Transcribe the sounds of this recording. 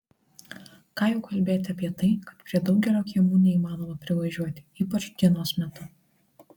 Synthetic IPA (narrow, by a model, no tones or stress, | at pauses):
kɑːjɛʊkɐlʲbʲeːjt̪ʲɪɐpʲiɛt̪ɐɪkɐt̪pʲɾʲiɛd̪ɒʊkɡʲɛlʲoːkʲiːmuːnʲɛiːmɑːnoːmɐpʲɾʲɪʋɐʒʲuɔt̪ʲɪ̥iːpɐt͡ʃɡ̪ʲiɛnoːsmʲɛt̪ʊ